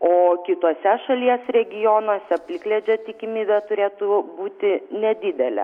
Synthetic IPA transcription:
oːkʲɪt̪oːsʲɛʃɐlʲiɛsɾʲɛɡʲɪjoːnoːsʲɛpʲlʲɪklʲed͡ʒʲoːt̪ʲɪkʲɪmʲiːbʲɛt̪ʊɾʲeːt̪ʊbuːt̪ʲɪnʲɛd̪ʲɪd̪ʲɛlʲɛ̰

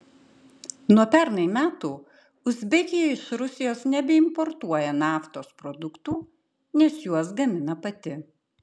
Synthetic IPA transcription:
nuɔpʲɛɾnɐɪmʲæːt̪uː | ʊzʲbʲɛkʲɪjɛɪʃɾʊsʲɪjoːsnʲɛbʲɛɪmpɔɾt̪uɔjɛnɑːft̪oːspɾɔd̪ʊkt̪uː | nʲɛsjuɔsɡɐmʲɪnɐpɐt̪ʲɪ

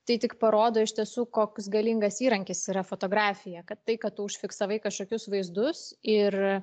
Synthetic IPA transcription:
t̪ɐɪt̪ʲɪkpɐɾoːd̪oːɪʃʲt̪ʲiɛsuːkoːksɡɐlʲiŋɡɐsiːɾɐŋʲkʲɪsiːɾɐfoːt̪oːɡɾɑːfʲɪjɛkɐt̪ːɐɪkɐtt̪ʊʊʃʲfʲɪksɐʋɐɪkɐʃkoːkʲʊsʋɐɪzd̪ʊsɪr

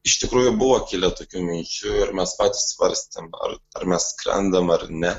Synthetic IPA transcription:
ɪʃʲt̪ʲɪkɾuːjʊbʊʋɐkʲiːlʲɛt̪oːkʲumʲɪnʲt͡ʃʲʊɪɾmʲɛspɑːt̪ʲɪssʋɐ̰ɾʲsʲt̪ʲɪmɐ̰ɾɐɾmʲɛskɾʲɛ̰nd̪ɐmɐɾnʲɛ

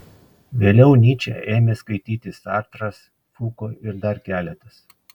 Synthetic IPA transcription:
ʋʲeːlʲɛʊnʲiːt͡ʃʲɛ̰eːmʲeːskɐɪt̪ʲiːt̪ʲɪsɑːɾt̪ɾɐs | fuːkoːɪɾd̪ɐɾkʲæːlʲɛt̪ɐs

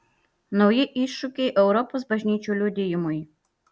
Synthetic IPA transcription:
nɔʊjɪʔiːˑʃʊkʲɛɪʔɛʊɾɔpoːsbɐʒʲnʲiːt͡ʃʲuːlʲud̪ʲɪjɪmʊj

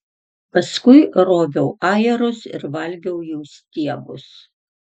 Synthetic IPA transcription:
pɐskʊɪɾoːbʲɛʊʔɑːjɛɾʊsɪ̰ɾʋɐlʲɡʲɛʊjusʲt̪ʲiɛbʊ̰s

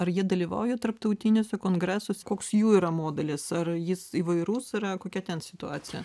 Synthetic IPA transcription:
ɐɾjiɛd̪ɐlʲiːʋɐ̰ʊjɛt̪ɐrpt̪ɐʊt̪ʲinʲʊsʲɛkoːŋɡɾʲæːsoːsʲkoːksjuːiːɾɐmoːd̪ʲɐlʲɪsɐrjɪsiːʋɐɪɾuːsɪɾɐkoːkʲɛt̪ʲɛnsʲɪt̪ʊɑːt͡ssʲɪjɛ̰

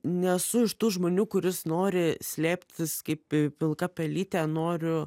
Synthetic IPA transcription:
nʲɛsʊɪʃt̪uːʒmoːnʲuːkʊɾʲɪsnoːɾʲɪsʲlʲeːpʲt̪ʲɪskɐɪpɪpʲɪlˠkɐpʲɛlʲiːt̪ʲæːnoːɾʲʊ

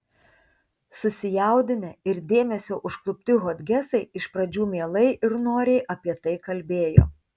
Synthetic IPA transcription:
sʊsʲɪjæˑʊd̪ʲɪnʲɛɪɾd̪ʲeːmʲɛsʲoːʔʊʃklˠʊpʲt̪ʲɪɣod̪ʲɡʲɛsɐɪɪʃpɾɐd͡ʒʲuːmʲeɛlˠɐɪʔɪɾnoːɾʲɛɪʔɐpʲiɛt̪ɐɪkɐlʲbʲeːjo̰ː

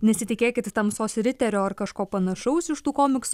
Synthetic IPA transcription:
nʲɛsʲɪt̪ʲɪkʲeːkʲɪt̪t̪ɐmsoːsʲɾʲɪt̪ʲɛɾʲoːɐrkɐʃkoːpɐnɐʃɐʊsɪʃt̪uːkoːmʲɪksʊ

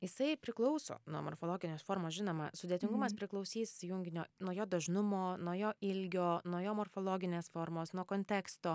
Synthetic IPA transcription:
jɪsɐɪpʲɾʲɪklˠɐʊso̰ːnuɔmo̰rfoːlˠoːɡʲɪnʲoːsfoːɾmoːsʒʲɪnoːmɐ̰sʊd̪ʲeːt̪ʲɪŋɡʊmɐspʲɾʲɪklˠɐʊsʲiːssʲɪjʊŋʲɡʲɪnʲoːnuɔjoːd̪ɐʒnʊmoːnuɔjoːɪlʲɡʲoːnuɔjoːmoːrfoːlˠoːɡʲɪnʲeːsfoːɾmoːsnuɔkoːnʲt̪ʲɛːkst̪oː

